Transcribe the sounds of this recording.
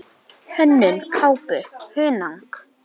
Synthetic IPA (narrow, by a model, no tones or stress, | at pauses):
hœnːʏnkʰaːwpʏhʏːnaŋk